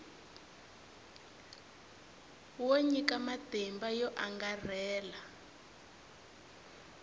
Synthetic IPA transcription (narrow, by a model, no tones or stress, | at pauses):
woɲikamadimbajɔʔaŋɡarɛːla